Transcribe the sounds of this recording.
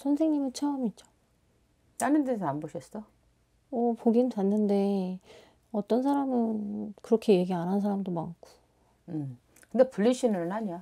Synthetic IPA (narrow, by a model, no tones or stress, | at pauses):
sʰʌnsʰe̞ŋɲimɯnt͡ɕʰaomit͡ɕo̥ | tanɯntesʰʌnanboɕʰʌs͈ʌ | ʌpoɡinɯpanːɯnde̞ | ʌt͈ʌnsʰaɾamɯnkɯɾʌkʰe̞je̞ɡianɦans̬ʰaɾamdomaŋkʰu̥ | ɯm | kɯndepuʎːiɕʰinɯɾɯnɦaɲija